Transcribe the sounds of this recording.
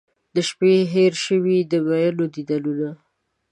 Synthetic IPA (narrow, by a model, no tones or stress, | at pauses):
d̪əʃpeɦeɾʃəwid̪əɡajalod̪id̪alola